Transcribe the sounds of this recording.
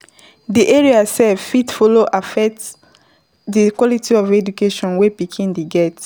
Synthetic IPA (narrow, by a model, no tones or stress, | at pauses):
diʔɛɹiasɛfitfɔloʔafɛk̚ts | dikwɔlitiɔvɛd͡ʒukeʃɔ̃nwepikʰĩndiɡɛt